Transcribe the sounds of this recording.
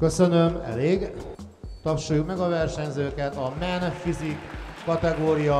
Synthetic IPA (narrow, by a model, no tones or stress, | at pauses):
kø̞sø̞nømɛ̰leːɡ | t̪ɒpʃujukmɛɡɒvɛrʃɛɲzøːkɛt̪ɒmɛnfizikː | ɒt̪ɛɡoːɾijɒ